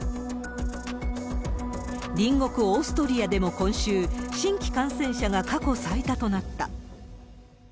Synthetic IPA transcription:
ɾʲĩŋɡo̞kɯ̟o̞ːsɨ̥t̪o̞ɾʲiad̪e̞mo̞kõ̞ɰ̃ɕɨːɕĩŋkʲi̥kãɰ̃sẽ̞ɰ̃ɕaɡakako̞saet̪at̪o̞nat̪ːa̰

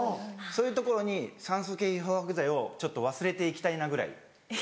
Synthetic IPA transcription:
soːjɯ̟t̪o̞ko̞ɾo̞ɲ̟isãɰ̃sokeːiɦohakɯ̟zaio̞t͡ɕo̞t̪ːo̞βasɨɾe̞t̪e̞ikʲi̥t̪ainaɡɯ̟ɾa̰ḭ

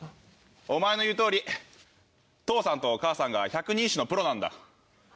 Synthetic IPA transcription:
o̞mae̞no̞jɯ̟ːt̪o̞ːɾʲi | t̪o̞ːsãnt̪o̞ːkaːsãŋɡaçakɯ̟ɲ̟ĩːɕino̞pɯ̟ɾo̞nãnd̪a̰

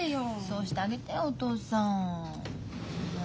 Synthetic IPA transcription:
ejosoːɕi̥t̪eaɡe̞t̪eot̪o̞ːsã

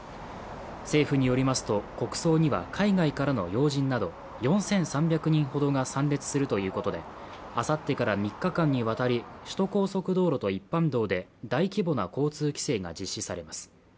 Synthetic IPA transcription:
se̞ːɸɯ̟ɲ̟ijo̞ɾʲimasɨ̥t̪o̞ko̞kɯ̟̥so̞ːɲ̟iβa̰kʰaiɡaikaɾano̞̰jo̞ːʑĩnːad̪o̞ | jõ̞ɰ̃sẽ̞ɰ̃sãmbʲjakɯ̟ɲ̟ĩɰ̃ho̞d̪o̞ŋasãnɾʲe̞t͡sɨ̥sɨɾɯ̟t̪o̞jɯ̟ːko̞t̪o̞d̪e̞ | asat̪ːe̞kaɾamʲikːakãɲ̟ːiβ̞at̪aɾʲiɕi̥t̪o̞ko̞ːso̞kɯ̟d̪o̞ːɾo̞t̪oipːãnd̪o̞ːd̪e̞d̪aikʲibo̞na̰ko̞ːt͡sɨːkʲi̥se̞ːŋa̰d͡ʑiɕːisaɾe̞masɨ̥

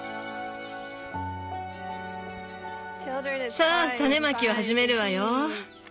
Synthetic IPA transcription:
saːt̪ane̞makʲiβahaʑime̞ɾɯ̟βajo

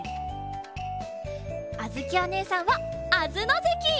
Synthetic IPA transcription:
azɨkʲiane̞ːsãɰ̃βaazɨnozekʲi

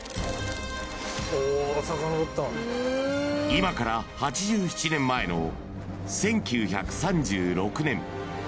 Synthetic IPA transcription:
osakanokot̪ːa | imakaɾahat͡ɕiʑɨːçi̥t͡ɕinẽ̞mːae̞no̞̰ | sẽ̞ŋkʲɨːça̰kɯ̟̥sãɲd͡ʑɨːɾo̞kɯ̟nẽ̞m

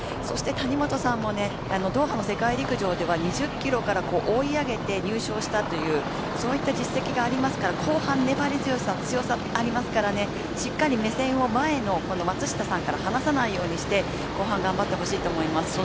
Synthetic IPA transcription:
so̞ɕi̥t̪e̞t̪aɲ̟imo̞t̪o̞sãmːo̞ne̞ | ano̞d̪o̞ːhano̞se̞kaiɾʲikɯ̟ʑo̞ːd̪e̞βaɲ̟iʑɨkʲːiɾo̞kaɾako̞ːʔoiaɡe̞t̪e̞ɲ̟ɨːɕo̞ːɕi̥t̪at̪o̞jɯ̟ː | so̞ːit̪ːad͡ʑisːe̞kʲiɡaːɾʲimasɨ̥kaɾakʰo̞ːhãnːe̞baɾʲizɨjo̞sat͡sɨjo̞sa | aɾʲimasɨ̥kaɾane̞ | ɕikːaɾʲime̞sẽ̞ɰ̃o̞mae̞no̞ko̞no̞mat͡sɨɕi̥t̪asãŋkaɾahanasanaijo̞ːɲ̟iɕi̥t̪e̞ | ko̞ːɦãŋɡãmbat̪ːe̞ɦo̞ɕiːt̪o̞ːmo̞imasɨ̥

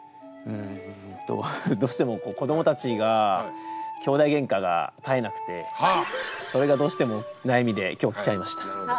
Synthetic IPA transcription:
ɯ̟̃ɴt̪o̰d̪o̞ːɕi̥t̪e̞mo̞ko̞ːko̞d̪o̞mot̪at͡ɕiɡa | kʲo̞ːd̪aiɡẽ̞ŋkaɡa̰t̪ae̞nakɯ̟̥t̪e̞ | so̞ɾe̞ɡad̪o̞ːɕi̥t̪e̞mo̞ | najamʲid̪e̞kʲo̞ːkʲi̥t͡ɕaimaɕi̥t̪ḁ

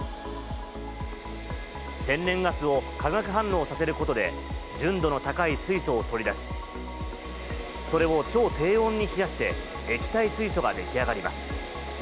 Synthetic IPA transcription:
t̪ẽ̞nːẽ̞ŋɡasɨo̞kaɡakɯ̟ɦãnːo̞ːsase̞ɾɯ̟ko̞t̪o̞d̪e̞̰ | d͡ʑɨ̃nd̪o̞no̞t̪akaisɨiso̞ːt̪o̞ɾʲid̪aɕi̥ | so̞ɾe̞βo̞t͡ɕo̞ːt̪e̞ːõ̞ɲ̟ːiçijaɕi̥t̪e̞ː | kʲi̥t̪aisɨiso̞ɡad̪e̞kʲiaɡaɾʲima̰sɨ̥

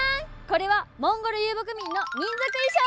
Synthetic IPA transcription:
ko̞ɾe̞βamõŋɡoɾɯjɯːbok̬ɯ̟mʲĩnːoɲ̟ĩnzakɯ̟iɕo

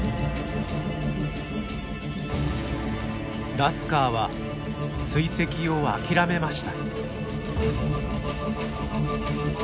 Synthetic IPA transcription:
ɾasɨ̥kaːβa | sɨise̞kʲio̞a̰kʲiɾame̞maɕi̥t̪ḁ

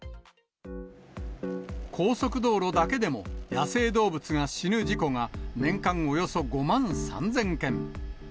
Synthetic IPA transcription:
kʰo̞ːso̞kɯ̟d̪o̞ːɾo̞d̪ake̞d̪e̞mo̞jase̞ːd̪o̞ːbɯ̟t͡sɨɡaɕinɯ̟d͡ʑiko̞ŋanẽ̞ŋkãŋo̞jo̞so̞ɡo̞mãñsã̰nd͡zẽ̞ŋkẽ̞ŋ

